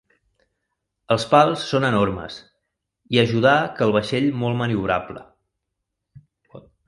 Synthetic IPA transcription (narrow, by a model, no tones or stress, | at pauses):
əlˠspalˠsːonənormə̰s | iəʒuð̞akəlˠβ̞əʃeʎmolˠməniuɾaplə̰